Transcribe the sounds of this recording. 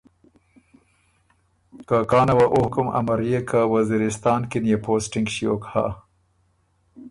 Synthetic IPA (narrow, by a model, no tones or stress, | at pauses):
kakɑːnawaʔohkʊma̰maɾjekawaziɾɪst̪ɑːnkinjepʰoːsʈɪŋɡʃijokha̰